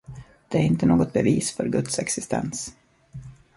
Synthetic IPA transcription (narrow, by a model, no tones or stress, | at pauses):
d̪̥ɛæɾɪnt̪ənoːɡɔt̪̚bɛviːsfœɾɡɵt̪sɛksɪst̪ʰɛ̰ns